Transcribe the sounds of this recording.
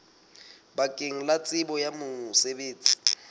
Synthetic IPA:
bakʼeŋ̩lat͡sʼɪbɔjamʊsebeːt͡sʼi̥

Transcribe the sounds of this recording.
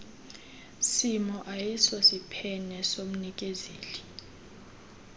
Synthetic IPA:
simɔʔajisɔsipʰɛnɛsom̩nik̬ʼezeːli

